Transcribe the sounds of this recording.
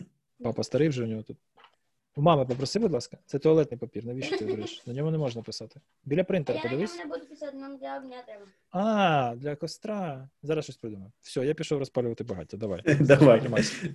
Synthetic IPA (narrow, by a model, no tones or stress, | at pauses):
pɑpɐst̪ɐɾɪwʒɛʊnʲɔɦɔt̪ut̪̚ | umɑmɐpɔpɾɔsɪbʊd̪lˠɑskɐ̥t̪sɛt̪ɔɐlˠɛt̪nɪjpɔpʲirnɐʋʲiʃɔt̪ɪɔɾɪʃnɐnʲɔɦɔnɛmɔʒnɐpɪsɑt̪ɪ̥ | bʲilʲɐpɾɪnt̪eɾɐpɔd̪ɪʋɪsʲd̪nɔmlʲɐɦnʲat̪ɛ | ɑːd̪lʲɐkɔst̪ɾɑzɑɾɐsʃɔsʲpɾɪd̪umɐfsʲɔjapʲiʃɔwrɐspalʲʊʋɐt̪ɪbɐɦɑ̰t̪ʲːɛd̪ɐʋa̰jd̪ɐʋajnɐma